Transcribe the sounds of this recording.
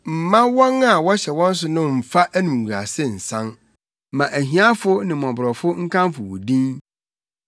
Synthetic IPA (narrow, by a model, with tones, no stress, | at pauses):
m̩˨mã˦wɔ̃˦na˨wɔ˦ɕɛ˨wɔ̃˦n̩˦s̬ʊ˨nʊ̃˦m̩˨fa˦ʔæ˦nũ˨mu˨a̰˨sɪ˦n̩˨sã˦n | mã˨ʔæ˨ɦĩ˨˦a˦fʊ˦nɪ̃˨mɔ̃˨bɾɔ˨fʊ˦ŋ̩˦kʰã˦m˦fʊ˨wʊ̰˨dĩ˦n